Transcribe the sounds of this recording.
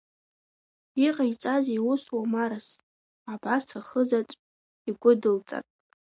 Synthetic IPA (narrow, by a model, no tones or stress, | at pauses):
iqʼajt͡sʼaziwʊswamaɾas | abastʰaχəzat͡sʷʼ | iɡʷʊdɨlt͡sʼa̰rʼ